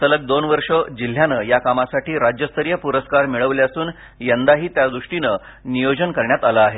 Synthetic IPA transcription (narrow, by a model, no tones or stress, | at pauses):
sələk̚d̪onʋəɾʂəd͡ʑil̤ːjanəjakamasaʈiːɾad͡ʑjəst̪ʰəɾijəpuɾəskaɾmiɭəʋljasuːn | jənd̪aɦiːt̪jad̪ɾuʂʈinə | nijod͡ʑənkəɾɳjat̪aləaːɦe